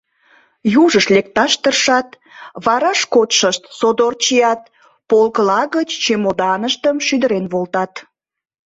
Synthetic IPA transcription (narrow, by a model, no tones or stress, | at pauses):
juʒəʃlek̚t̪ɑʃt̪ərʃɑt̪ | βɑɾɑʃkot̪ʃəʃt̪sod̪ort͡ɕijɑt̪̚ | polkəlɑɣət͡ɕt͡ɕemod̪ɑnəʃt̪əmʃyd̪əɾenβolt̪ɑt̪